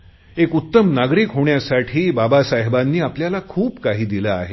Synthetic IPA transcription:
ekut̪ːəmnaɡɾikɦoɳjasaʈʰiːbabasaɦbanːiːapljalakʰuːpkaɦiːd̪ilaːɦe

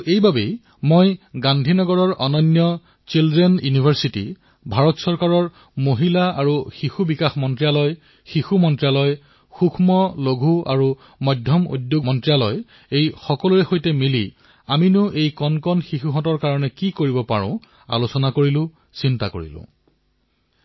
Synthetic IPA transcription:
ejbabej | mojɡandʱinɔɡɔɹɔɹʔɔnɔnːjɔ | t͡ʃilzenjunibʱaɹsitḭ | bʱaɹɔtsɔɹkaɹɔɹ | moɦilaaɹuxixubikaxmɔntɹijalɔj | xixumɔntɹijalɔj | xukʰmɔloɡʱua̰ɹu | mɔdʱjɔmṵdjomɔntɹialɔj | ejxɔkɔluɹɛxojtɛmili | aminʊʔejkɔnkɔnxixuɦɔtɔɹkaɹɔnɛkikoɹibɔpaɹʊ̰̃ | a̰losɔnakoɹilʊ̃ | sintakoɹḭlʊ̰̃

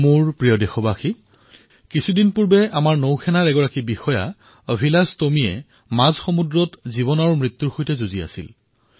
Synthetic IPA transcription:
muɹpɹijɔdexɔbaxi | kisʰudinpuɹbɛamaɹnowkʰɛnaɹɛɡɔɹakibixɔja | obʱilastomijɛ̰ | mazxomudɹɔtziβɔnaɹmɹit̪ːuɹxojtɛzuzia̰sḭl

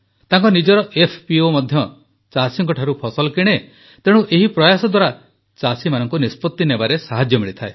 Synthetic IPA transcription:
t̪aŋkɔnid͡ʒɔɾɔʔepʰpiomɔd̪ʱjɔ | t͡ʃasiŋkɔʈʰaɾupʰɔsɔlɔkiɽ̃e | t̪eɽ̃uʔeɦipɾɔjasɔd̪waɾa | t͡ʃasimanɔ̃ŋkunispɔt̪ːinebaɾesaɦad͡ʒjɔmiɭit̪ʰae

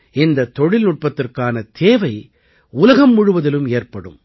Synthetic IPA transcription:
ɪnd̪ɐt̪ːɔɻɪlnʊʈ̚pɐt̪ːɪrkaːnɐt̪ʰeːʋɐɪ | ʊlɐɣɐmːʊɻʊʋɐðɪlɯmeːrpɐɽɯ̰m

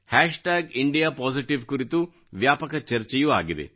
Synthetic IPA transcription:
haːʂʈaːɡiɳɖijaːpaːsiʈiʋkuɾit̪u | ʋjaːpɐkɐt͡ʃɐɾt͡ʃijua̰ːɡid̪ḛ

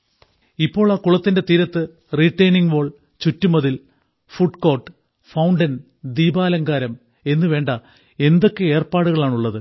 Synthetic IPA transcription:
ipːo̞ːɭaːkuɭɐt̪ːinde̞t̪iːɾɐt̪ːɨ | riːʈːɐjniŋɡʋo̞ːɭ | t͡ɕutːumɐðil | fuɖko̞ːʈɨ | fɐwɳɖɐn | d̪iːbaːlɐŋɡaːɾɐm | e̞nːɨʋe̞ːɳɖɐ | e̞nd̪o̞kːee̞ːrpaːɽuɣɐɭaːɳuɭːɐðɨ

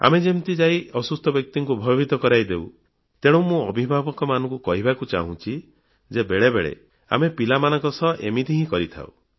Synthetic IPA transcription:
a̰med͡ʒemt̪id͡ʒaiɔsust̪ʰɔbjɔk̚t̪iŋkubʱɔjɔbid̪ɔkɔɾajd̪ew | t̪eɽ̃ɔ̃mũɔbʱibʱabɔkɔmanɔ̃ŋkukɔɦibakut͡ʃa̰ɦũt͡ʃʰi | d͡ʒebeɭebeɭḛ | a̰mepilamanɔ̃kɔsɔʔemit̪iɦĩkɔɾit̪ʰa̰w̰

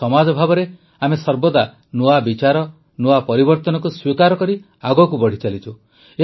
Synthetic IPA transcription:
ɔmad͡ʒɔbʱabɔɾe | amesɔɾbɔd̪a | noabit͡ʃaɾɔ | noapɔɾibɔɾt̪ɔnɔkuswikaɾɔkɔɾi | aɡɔkubɔɽ̤it͡ʃalit͡ʃʰu | e

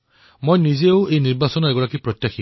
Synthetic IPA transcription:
mojnizeʊejniɹbasɔnɔɛɡɔɹakipɹɔtːjaxʰi

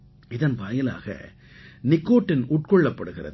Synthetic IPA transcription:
ɪðɐnbɐjɐla̰ːɣɐ̰ | nɪkːoːʈːɪnuːʈ̚kɔɭːɐpːɐɽɯɣɪrɐ̰ð

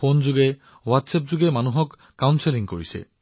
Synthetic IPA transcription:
ond͡ʒuɡe | watsep̚d͡ʒuɡemanuɦɔkːawnseliŋkoɹisḛ

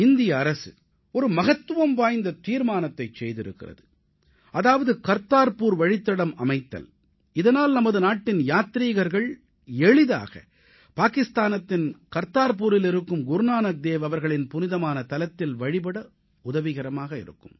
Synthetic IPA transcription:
ɪnd̪ɪjɐːɾɐsɯ̰ | ɔɾɯmɐɣɐt̪ːɯʋɐmʋaːjnd̪ɐt̪iːɾmaːnɐt̪ːɐɪt͡ʃɛjðɪɾɯ̰kːɪ̰rɐ̰ðɯ | ʔɐðaːʋɐðɯkɐɾt̪aːɾpuːɾʋɐɻɪt̪ːɐɽɐmɐmɐɪt̪ːɐ̰l | ɪðɐnaːlnɐmɐðɯnaːʈːɪnjaːt̪ɾiːɣɐɾɣɐɭ | ɛɭɪða̰ːɣɐ̰ | paːkɪst̪aːnɐt̪ːɪnkɐɾt̪aːɾp̬uːɾɪlɪɾɯkːɯmɡʊɾnaːnɐk̚d̪eːʋɐʋɐɾɣɐɭɪnpʊnɪðɐmaːnɐt̪ɐlɐt̪ːɪlʋɐɻɪp̬ɐɽɐ | ʊðɐʋɪɣɐɾɐmaːɣɐɪ̰ɾɯ̰kːɯm

